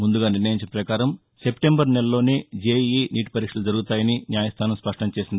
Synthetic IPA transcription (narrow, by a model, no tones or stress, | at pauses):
mund̪uɡaːniɾnɐjiɲt͡ʃɐnɐpɾɐkaːɾɐm | se̞pʈembɐɾnɛlɐloːneːd͡ʒeːiːniːʈpɐɾikʂɐlud͡ʒɐɾuɡut̪aːjɐninjaːjɐst̪ʰaːnɐmspɐʂʈɐmt͡ʃe̞ːsind̪ii